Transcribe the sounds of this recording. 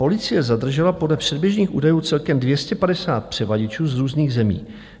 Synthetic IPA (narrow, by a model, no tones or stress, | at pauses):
po̞lɪt͡sɪjɛzad̪r̩ʒɛlapo̞dlɛpr̝̥ɛdbjɛʒɲiːxʔṵːdajuːt͡sɛlkɛmdvjɛscɛpadɛsaːt̪̚pr̝̥ɛvaɟɪt͡ʃuːzɾuːzniːɣzɛmḭː